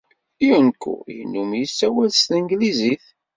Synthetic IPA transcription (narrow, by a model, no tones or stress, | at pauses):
iənkːṵjḭnːumjisːæwælst̪əŋɡliziθ